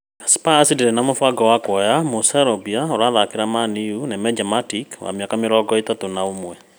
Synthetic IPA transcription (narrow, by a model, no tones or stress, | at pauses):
asi̥pasideɾɛnamofaɡɔwakwɔjamosaɾɔbiaoɾaðakeɾamaniunɛmɛd͡ʒamatikwa̰meakameɾɔɡɔitatonaomwɛ